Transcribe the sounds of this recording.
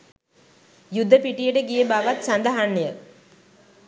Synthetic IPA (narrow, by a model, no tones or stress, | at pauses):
jud̪ʱːəpiʈijəʈəɡijəbaʋat̪sand̪əɦanːejə